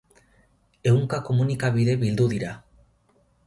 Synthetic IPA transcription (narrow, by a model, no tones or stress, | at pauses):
euŋkakomunikaβiðeβild̪uðiɾa